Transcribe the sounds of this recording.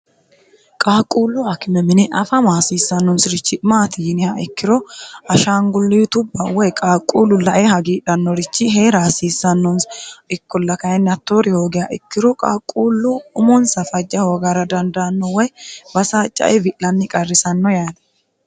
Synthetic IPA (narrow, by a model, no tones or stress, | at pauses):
kʼaːkʼuːlːʊɐkɪmɛmɪnɛʔɐfɐmaːsiːsːɐnːɔnsɪɾɪt͡ʃːɪmaːt̪ɪjɪnɪhaɪkːɪɾɔɐʃaːŋɡʊlːɪt̪ʊbːɐwɔjkʼaːkʼːuːlːʊlɐʔehɐɡiːᶑɐnːɔɾɪt͡ʃːɪɦeːɾaːsiːsːɐnːɔnsɪkːɔlːɐkɐjɛnːɐt̪ːoːɾɪhoːɡɪhaʔɪkːɪɾɔkʼa̰ːkʼːuːlːʊʊmɔnsɐfɐd͡ʒːɐhoːɡaɾɐd̪ɐnd̪ɐnːɔwɔjbɐsaːt͡ʃʼːɐ̰ʔɛbɪʔlɐnːɪkʼɐrːɪsɐnːɔjaːd